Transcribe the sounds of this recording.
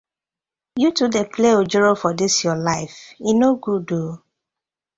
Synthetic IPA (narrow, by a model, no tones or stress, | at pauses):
jutudepleod͡ʒɛɹofɔdɪsjɔlaɪfinoɡudo